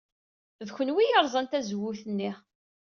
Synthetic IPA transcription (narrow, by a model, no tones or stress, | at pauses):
ðçənwijəɾˤzˤənt̪æzwːʊθənːi